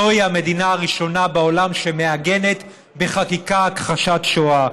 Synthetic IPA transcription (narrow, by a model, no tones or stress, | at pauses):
ojame̞dinaaʁiʃo̞nabao̞lamʃe̞me̞aɡe̞ne̞t̪ | be̞χakikakχaʃat̪ʃoa